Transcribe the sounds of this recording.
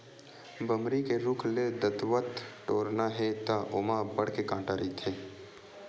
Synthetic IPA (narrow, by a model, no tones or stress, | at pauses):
bəmɾikeɾʊkʰled̪ət̪ʋət̪ʈoːɾnaɦet̪aʔoːmabɐɽ̤kekãːʈaɾit̪ʰeː